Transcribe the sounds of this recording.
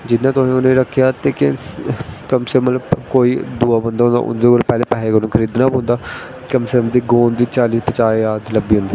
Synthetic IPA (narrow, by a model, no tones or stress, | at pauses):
d͡ʒɪnːãːt̪ʊsĩːʊnẽɾəkʰːjaːt̪eːkɪ | kəmsəmət̪ləbkoːiːd̪uːaːbə̃nd̪aːõːnd̪a̰ːʔʊ̰nd̪eːɡoɾpɛːleːpɛːeːkəɾõkʰəɾiːd̪naːbõːnd̪aː | kəmsəɾmd̪iːɡoːnd̪iːt͡ʃaːliːspət͡ʃaːeaːd̪ləbiːɦõːnd̪eː